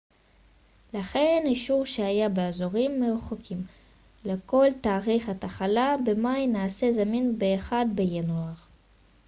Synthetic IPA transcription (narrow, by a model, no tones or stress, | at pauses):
laχe̞niʃuʁʃeajabeazoʁimːeχokʰim | le̞ko̞lt̪aːʁiχat̪aχalabe̞majnaːse̞zaminbe̞ːχadbejanuaʁ